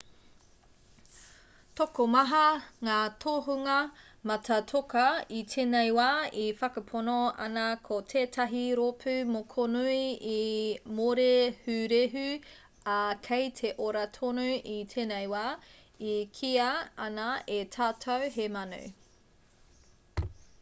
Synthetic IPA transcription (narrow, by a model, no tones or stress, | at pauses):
tokomɐɦɐŋaːtʰoɦuŋɐ | mɐtʰɐtʰokɐitʰeːnejwaːifɐkɐpʰonoɐ̰nɐkʰotʰeːtʰɐɦiɾopʰʉmokʰonuiimoɾehʉɾeɦʉ | ɐkʰejtʰeʔoɾɐtʰonuitʰeːnejwaː | ikʰiɐɐnɐetʰaːtʰɐwɦemɐnṵ